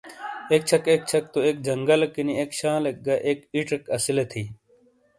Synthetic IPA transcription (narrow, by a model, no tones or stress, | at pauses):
eːk̚t͡ʃʰɐkek̚t͡ɕʰɐk̚t̪oeːk̚d͡ʑɐŋɡɐlkiniekɕãːlek̚ɡɐʔeːkiʈekɐsilet̪ʰiː